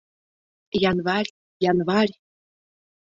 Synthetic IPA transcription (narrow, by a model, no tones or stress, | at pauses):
jɑnvɑrʲ | jɑnvɑrʲ